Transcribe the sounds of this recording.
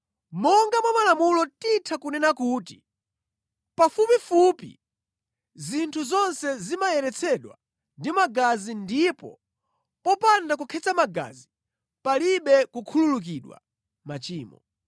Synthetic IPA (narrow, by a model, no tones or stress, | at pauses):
mɔŋɡamwamalamulɔtitʰakunɛnakuːti̥ | pafupifupḭ | zintʰuzɔnsɛzimajɛɾɛt͡sʰɛɗwa̰ | ndimaɡazindipɔ̰ | pɔpandakukʰɛt͡samaɡa̰zi | paliɓɛkukʰululuk̬iɗwa̰ | mat͡ʃiːmɔ